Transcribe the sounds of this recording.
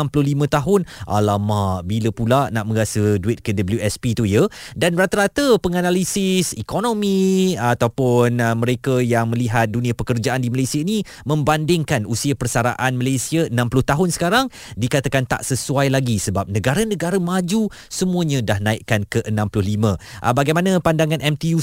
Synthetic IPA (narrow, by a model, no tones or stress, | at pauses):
amplʊhɦlimə̃t̪aɦʊnʔa̰lamaʔbiləpulanaʔmə̃ɾasəduɪt̪̚kədəbəljuɛspit̪ujədanɾat̪əɾat̪əpəŋanalisɪsikonomĩat̪awpʊnmə̃ɾekajaŋmə̃liɦat̪̚dunĩapəkərd͡ʒaʔandimalesiaini | mə̃mbandɪŋkanusiapərsaɾa̰ʔanməlesiaənãmplʊht̪aɦʊnsə̥kaɾaŋ | dikat̪akant̪a̰ʔsəsuajlaɡisəbap̚nə̃ɡaɾənə̃ɡaɾəmad͡ʒu | səmũəɲə̃dahnãɪʔ̚kankəʔənãmplʊhlimə̃ʔə̰baɡajmanə̃pandaŋanɛmt̪iu